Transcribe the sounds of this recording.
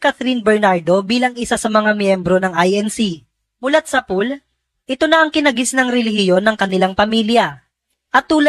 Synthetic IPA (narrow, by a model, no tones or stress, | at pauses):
kat̪ɾinbɛɹnaɹd̪o̞biːlɐŋɪsasɐmɐŋamjɛmbɾo̞nɐŋʔajʔɛnsi | mʊlɐt̪̚sɐpul | ʔɪt̪o̞nɐʔɐŋkɪnɐɡɪsnɐŋɾɛlɪhɪjo̞nːɐŋkɐnɪlaŋpɐmiljɐ | ʔɐt̪ːuːlɐ